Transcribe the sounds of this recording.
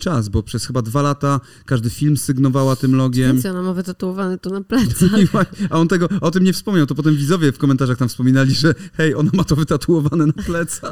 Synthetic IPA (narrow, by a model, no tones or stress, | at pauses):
t͡ʂasbɔpʂɛsxɘbad̪valat̪a | kaʐd̪ɘfʲilmsɘɡnɔvawat̪ɘmlɔɡʲjɛmɛɔnamavɘt̪at̪uɔvanɛt̪ɔnaplɛt̪siwajaɔnt̪ɛɡɔɔt̪ɘmɲɛfspɔmɲawt̪ɔpɔt̪ɛmvʲizɔvʲjɛfkɔmɛnt̪aʐaxt̪amfspɔmʲinalʲiʐɛxɛjɔnamat̪ɔvɘt̪at̪uɔvanɛnaplɛt̪sa